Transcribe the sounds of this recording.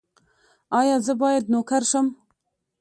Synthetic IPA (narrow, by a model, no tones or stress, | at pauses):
ɑːjɑːzɨbɑːjɛd̪̚noːkʰɛɾʃɨm